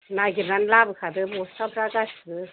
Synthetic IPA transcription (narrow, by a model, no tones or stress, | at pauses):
naɡibɾanlabɯkʰad̪ɯbɔstabɾaɡasdɯ